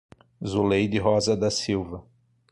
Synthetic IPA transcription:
zulejd̪ɪɦɔzɐd̪ɐsiwvɐ

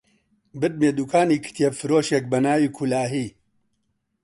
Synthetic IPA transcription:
bɨt̪̚meːd̪uːkʰaːniːkʰɨ̥t̪ʰijefɨɾoːʃɛk̚bɐnaːwiːkʰulaːɦiː

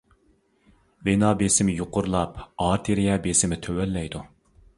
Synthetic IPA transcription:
wenɑːbesɪmɪjoqʊɾlˠɑpɑɾt̪ʰeɾijɛbesɪmɪt̪ʰøwɛlːɛjd̪u

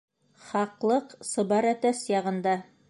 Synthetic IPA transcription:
χɑqlˠɤqsɤ̆bɑɾæt̪æsjɑʁɤ̆nd̪ɑ

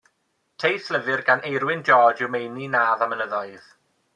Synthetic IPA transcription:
tʰejθləvɪrɡanʔejɾwɪnd͡ʒɔːd͡ʒɪwmejninaːðamələðɔɨð̥

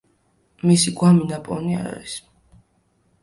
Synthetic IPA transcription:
misiɡwaminapʼɔ̰nia̰ɾa̰ɾis

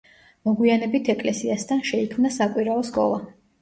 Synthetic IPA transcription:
mɔɡwianɛbit̪ʰɛkʼlɛsiast̪ʰanʃɛikʰmnasakʼwiɾaɔskʼɔ̰lˠa

